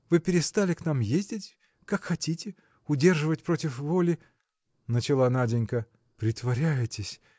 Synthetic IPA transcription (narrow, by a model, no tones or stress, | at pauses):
vɨpʲɪɾʲɪst̪alʲɪknamjezʲdʲɪtʲ | kakxɐtʲitʲɪ | ʊdʲe̞rʐɨvətʲpɾo̞tʲɪfvo̞lʲɪ | nət͡ɕɪlˠanadʲɪnʲkə | pɾʲɪt̪vɐɾʲæjɪtʲɪsʲ